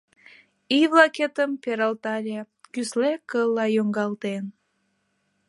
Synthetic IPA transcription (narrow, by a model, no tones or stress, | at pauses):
iβlɑket̪əmpeɾəlt̪ɑlʲe | kyslekəlːɑjoŋɡɑlt̪en